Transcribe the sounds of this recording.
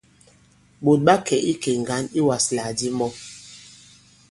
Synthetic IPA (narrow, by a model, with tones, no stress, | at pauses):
ɓo˨t̚ɓa˦kɛ˨ʔi˦kɛ˨ŋ˨ɡa˨˦ni˦wa˨sla˨di˦mɔ˦